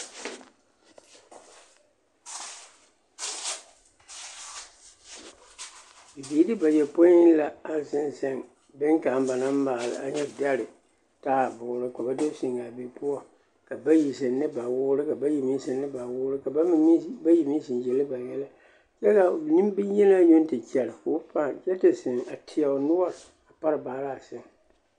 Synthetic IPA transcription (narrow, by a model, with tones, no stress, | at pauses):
bi˨biː˨˦dɨ˦ba˨jɛ˨po˦ɪ˦n˦la˨a˦sɪ˦n˦sa˦ŋ | bɪ˦ŋkaː˨˦m˦ba˨na˦m˦maː˨lɨ̰˨ʔa̰˨ɲɛ˦da˦lɨ˨ | taː˦˨bʊː˨ɾɨ˦ka˨ba˦do˦sɪ˨ŋa˨bi˨˦pʊ˦ɔ˦ | ka˨ba˦ji˨s̬ɨ˨nɨ˦ba˨wʊ˦ɾɨ˦ka˨ba˦ji˨mi˦sɨ˨nːɨ˦ba˨wʊ˦ɾɨ˦ka˨˦ba˦ji˨mi˦sɨ˨njɛ˨lɨ˦ba˨jɛ˦la˦ | t͡ʃɛ˦ka˨nɨ˦m˦bɨ˦ɲ˦jɛ˦na˦ɲʊ˦n˦tɨ˨t͡ʃɛ˨lɨ˨fʊ˦pa˦˨t͡ʃɛ˦tɨ˨sɪ˨ŋa˨tʰɪ˨a˨ʊ˨nʊ˦ɔ˦ɾ | a˨pa˦ɾɨ˨baː˨˦˨la˦˨sɨ˨ŋ